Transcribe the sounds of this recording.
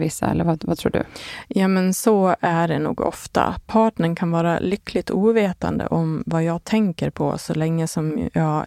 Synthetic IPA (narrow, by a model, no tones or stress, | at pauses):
vɪsːa̰ɛ̰lːəɾvavat̪ʰɾuːɖɵ̰jɑːmɛnsɔæɖɛnṵːɡɔ̰ft̪a̰pʰɑːʈɳəɳkʰanvɑːɾa̰lʏkːlɪt̪ʰuːveːt̪a̰nd̪ə̰ʔɔmvajɑːɡ̚t̪ʰɛŋkəɾpʰɔ̰sɔ̰lɛŋːəsɔmjɑː